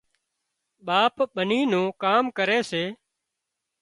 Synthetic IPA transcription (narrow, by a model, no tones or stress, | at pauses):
ɓaːpɓəniːnũːkaːmkəɾeːseː